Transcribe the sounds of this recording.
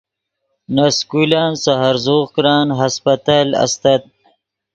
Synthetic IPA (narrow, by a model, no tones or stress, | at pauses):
naskulaːnsaɦaɾzoːʁkɾɑːnɦaspat̪aːla̰st̪at̪̚